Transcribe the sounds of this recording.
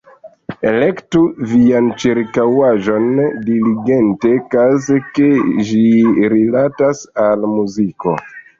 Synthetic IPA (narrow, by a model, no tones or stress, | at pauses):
e̞̰le̞ktuviant͡ʃiɾkawaʒo̞ndiliɡe̞nte̞kazeke̞ʒiɾilatasalmuziko̞̰